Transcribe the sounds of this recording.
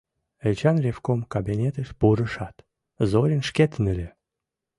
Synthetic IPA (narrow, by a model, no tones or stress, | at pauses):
elʲt͡ɕɑnrʲefkomkabʲinʲet̪əʃbuɾəʃɑt̪ | zoɾʲənʃkʲet̪ənɘlʲe